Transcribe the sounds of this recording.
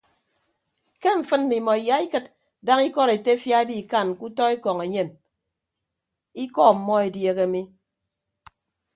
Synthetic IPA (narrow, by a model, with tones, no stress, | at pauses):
ke˦ɱ̩˨fɨ˦n̩˦mi˨mɔ˨i˨ja˨˦i˦kɨ˦t̚ | da˦ŋi˦kɔ˦ɾe˨te˦fja˦e˦bi˦˨ka˦˨n˨ku˦tɔ˦e˦kɔ˨ŋe˨ɲe˦˨m | i˦kɔ˦˨m̩˨mɔ˦e˨dje˨ɣe˨mi˦